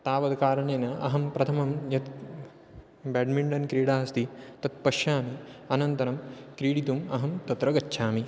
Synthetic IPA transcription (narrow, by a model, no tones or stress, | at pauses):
t̪aːʋɐd̪ɐkaːɾɐɳeːnɐʔɐ̰ɦɐmpɾɐt̪ʰɐmɐmjɐt̪ | bɛːɖmiɳɖɐnkɾiːɽaːɐst̪it̪ɐt̪̚pɐʃjaːmiɐnɐnt̪ɐɾɐmkɾiːɽit̪umɐɦɐmt̪ɐt̪ɾɐɡɐt͡ʃːʃʰaːmi